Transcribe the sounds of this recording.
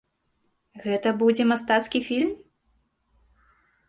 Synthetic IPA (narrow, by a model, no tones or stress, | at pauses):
ɣɛt̪ɐbud͡zʲɛmast̪at̪skʲifʲilʲm